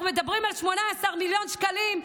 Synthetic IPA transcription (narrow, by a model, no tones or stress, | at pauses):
med̪abʁimalʃmo̞naːsaʁmiljo̞nʃkalim